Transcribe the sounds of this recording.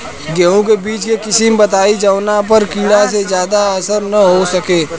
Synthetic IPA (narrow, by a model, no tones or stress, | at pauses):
ɡɛũkebiːt͡ʃkekɪsimbɐt̪aːid͡ʒɐʋnap̬əɾkiːɽasezjaːd̪aɐsəɾnɐɦosɐkeː